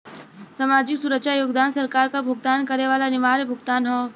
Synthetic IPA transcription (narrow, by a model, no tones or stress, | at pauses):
samaːd͡ʒɪksuɾəkʃajoːɡd̪aːnsɐɾkaːɾkabʱʊɡ̚t̪aːnkɐɾeʋaːlanɪʋaːɾebʱʊɡt̪aːnɦoː